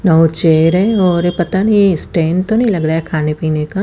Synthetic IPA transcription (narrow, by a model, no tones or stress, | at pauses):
nəõt͡ʃeːɾɦɛ̃ɔːɾepɐt̪anisʈẽːnt̪onəĩlɐɡɾaːɦɛkʰaːnepiːneka